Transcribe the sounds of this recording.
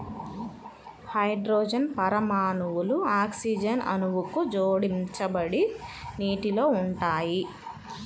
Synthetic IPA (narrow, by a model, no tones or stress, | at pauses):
hɐjɖɾoːd͡ʒɐnpɐɾɐmaːnuwuluaːksid͡ʒɐnɐ̰nuʋukud͡ʒoːɽimt͡ʃɐbɐɽiniːʈilo̞ːuɳʈaːji